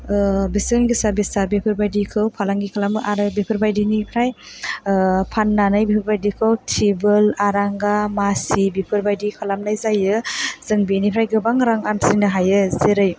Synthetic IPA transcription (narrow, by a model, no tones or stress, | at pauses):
bisɯnɡisaɾbisaɾbipʰɯɾbajdikʰɯwpʰalaŋɡikʰalamʔaɾɯbipʰɯɾbajdinipʰɾaj | pʰanːanajbipʰɯɾbajdikʰɯwtʰibɯlaɾaŋɡamasibipʰɯɾbajdikʰalamnajzajɯz̥ɯŋbinipʰɾajɡɯbaŋɾaŋansiŋnaɦajɯzeɾɯj